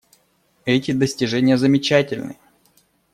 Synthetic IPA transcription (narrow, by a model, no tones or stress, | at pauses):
ɛtʲɪd̪əsʲtʲɪʐɛnʲɪjəzəmʲɪt͡ɕætʲɪlʲnɨ̰